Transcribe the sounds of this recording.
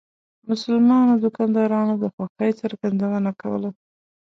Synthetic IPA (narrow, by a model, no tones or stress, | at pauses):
mʊsʊlmɑnod̪ʊkɑnd̪ɑɾɑnod̪əxwaxəjt͡səɾɡand̪awanakawə̰la